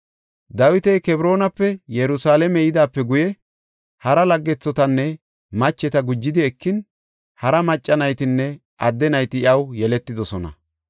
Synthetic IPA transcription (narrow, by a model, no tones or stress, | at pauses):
d̪ɐwɪt̪ɛjkɛbɾo̞ːnɐpːɛjɛɾʊsaːlɛmɛjɪd̪aːpːɛɡʊjɛ | hɐɾɐlɐɡːɛt͡sːɔt̪ɐnːɛ | mɐt͡ʃːɛt̪ɐɡʊd͡ʒːɪd̪ɪɛkːɪn | hɐɾɐmɐt͡ʃʼːɐnɐjt̪ɪnːɛ | ʔɐd̪ːɛnɐjt̪ɪɪɐwjɛlɛt̪ːɪd̪ɔsɔnɐ̰